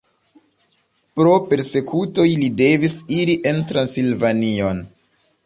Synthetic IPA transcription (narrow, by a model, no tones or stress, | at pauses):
pɾo̞pe̞ɾse̞kʰuto̞jlide̞visiɾiʔe̞ntɾansilvanio̞n